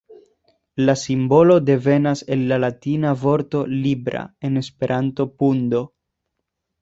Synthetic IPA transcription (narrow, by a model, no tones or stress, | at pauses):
lasimbo̞lo̞de̞ve̞nase̞lːalatinavo̞ɾto̞libɾa̰e̞ne̞spe̞ɾʔanto̞pundo̞